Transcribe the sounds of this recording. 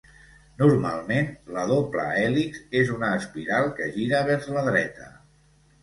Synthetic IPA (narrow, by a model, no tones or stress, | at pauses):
nuɾma̰lˠmenləðoplə̰ɛlikzezunəːspiɾalˠkəʒiɾəβ̞ɛɾzləðɾɛ̰t̪ə̰